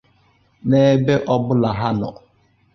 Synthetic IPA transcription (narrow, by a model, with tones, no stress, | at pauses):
ne˦be˦ʔɔ˦bʊ˦la˨ɦa˦nɔ̰˨